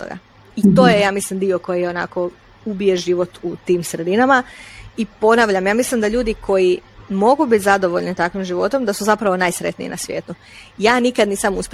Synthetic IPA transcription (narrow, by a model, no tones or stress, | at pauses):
t̪o̰ɡa̰ | it̪o̞ːjejaːmislimd̪io̞ko̞jiona̰ko̞ | ubije̞ʒiʋo̞t̪ut̪iːmsɾe̞d̪inamaipo̞naʋʎamjaːmislimd̪aʎuːd̪ikʰo̞jimo̞ɡubit̪ʲzad̪o̞ʋoʎnit̪akʋimʒiʋo̞t̪o̞md̪asuzapɾaʋo̞naːjsɾet̪nḭḭnasʋjeːt̪u | jaːnikad̪niːsamusp